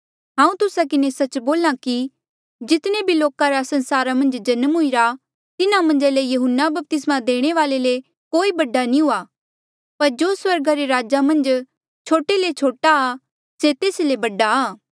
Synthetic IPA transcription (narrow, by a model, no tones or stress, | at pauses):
ɦãːũt̪ʊsakɪnesɐt͡ʃboːlãki | d͡ʒɪt̪nebʱiloːkaɾasɐ̃nsaːɾamɐ̃nd͡ʒd͡ʒɐnmɦʊiɾa | t̪ɪnamɐ̃nd͡ʒalejɐɦʊnːabɐp̚t̪ɪsmad̪eːɽ̃eʋaːlele | koːibɐɖːanĩɦʊa | pɐɾd͡ʒoːswɐɾɡaɾeɾaːd͡ʒamɐ̃nd͡ʒ | t͡ʃʰoːʈelet͡ʃʰoːʈaː | set̪eːslebɐɖaː